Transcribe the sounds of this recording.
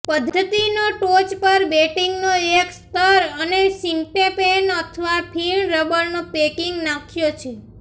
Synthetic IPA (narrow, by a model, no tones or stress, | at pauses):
pəd̪ʱːət̪inoʈot͡ʃpəɾbeʈiŋɡnoekst̪əɾənesiɳʈepenət̪ʰəʋapʰiɳɾəbəɾnopekiŋɡnakʰjot͡ʃʰe